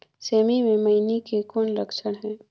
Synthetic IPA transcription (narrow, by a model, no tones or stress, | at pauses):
seːmimẽmɐɪnikekɔːnɾəkʃəɽ̃ɦɛ̃ː